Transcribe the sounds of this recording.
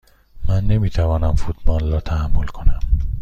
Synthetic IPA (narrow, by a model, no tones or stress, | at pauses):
mænːe̞miːt̪ʰævɒːnæmfuːt̪ʰbɒːlːɒːt̪ʰæhæmːolkʰonæm